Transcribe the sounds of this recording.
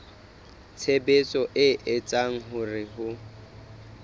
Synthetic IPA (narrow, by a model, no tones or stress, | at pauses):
t͡sʰebet͡sʼɔʔɪʔɪt͡sʼaŋ̩ɦʊrɪɦʊ